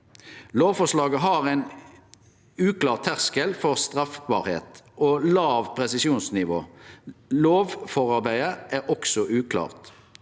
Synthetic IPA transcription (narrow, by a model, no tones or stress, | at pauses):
loːʋfɔslɑːɡəɦɑʁæɪn | ʉːklɑːʁt̪ʰːæʁskəlfɔʁst̪ʁɑfkbɑ̰ːʁhḛːt̪oːlɑːʋpʰʁɛsɪsjuːnsnɪʋo̰ː | loːʋfɔʁɑʁbæɪəʔæːʁʔɔksɔʔʉːkʰlɑ̰ːʁt̪